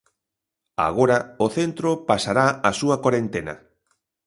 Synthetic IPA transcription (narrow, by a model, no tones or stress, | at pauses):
a̰ɣ̞oɾaoθent̪ɾopasaɾaasuɐkaɾent̪enɐ̰